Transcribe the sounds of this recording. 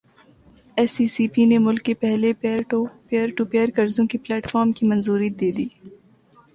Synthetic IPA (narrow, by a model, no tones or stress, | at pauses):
ɛːsisiːpinemʊlkːepɛɦleʈpeəɾʈupeːəɾkɐɾzõkiplɛːʈfɔːɾmkimɐnzuːɾiːd̪eːd̪iː